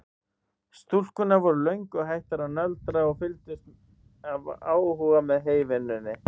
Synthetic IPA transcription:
st̪ul̥kʏnavɔɾʏlœɥŋkɔɣɦajht̪aɾaðnœlt̪ɾaɔɣfɪlt̪ʏst̪ | avaːwɦuːɣamɛðɦeːjvɪnʏnːɪ

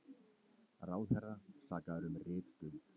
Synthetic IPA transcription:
raːwðhɛrːasaːkaðɾʏmrɪːt̪t̪ʏmt̪

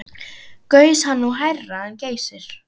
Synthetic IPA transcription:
kœːɥshanːuɦajrːaɛnceːjsɪɾ̥

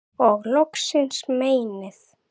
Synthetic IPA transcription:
ɔɣlɔksɪnsmeːjnɪθ

